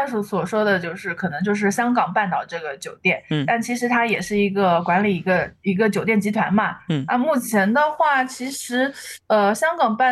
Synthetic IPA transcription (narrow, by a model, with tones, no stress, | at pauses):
ʂu˨˥˩swɔ˨˩ʂwɔ˥d̪ə˨t͡ɕjo˥˧ʊʂɻ̩˥˩kʰɤ˨˩nɤ˧˥ŋt͡ɕjo˥˧ʊʂ̬ɻ̩˥˩ɕjɑ˥ŋkɑ˨˩ŋpa˥˧nt̪ɑ˨˩ʊʈ͡ʂɤ˥˩ɡə˩t͡ɕjo˨˩ʊt̪jɛ˥˩nt̪a˥˩nt͡ɕʰi˧˥ʂɻ̩˧˥t̪ʰa˥jɛ˨˩ʂɻ̩˥˩i˧˥ɡə˧kwa˧˥nli˨˩i˧˥ɡə˧i˧˥ɡə˧t͡ɕjo˨ʊt̪jɛ˥˩nt͡ɕi˧˥t̪ʰwa̰˧˥nmɐ˧na˥˧mu˥˩t͡ɕʰjɛ˧˥nd̪ə˧xwa˥˩t͡ɕʰi˧˥ʂɻ̩˧˥ə˧ɕjɑ˥ŋkɑ˨˩ŋpa˥˩